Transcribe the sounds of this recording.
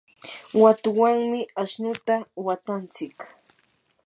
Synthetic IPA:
wat̪ʊwaŋmɪaʃnʊt̪awat̪ant͡sɪk

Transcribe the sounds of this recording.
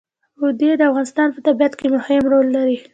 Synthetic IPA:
ʊd̪ed̪əafɣɑnɪst̪ɑnpət̪abijat̪kemʊhɪmɾolːaɾi

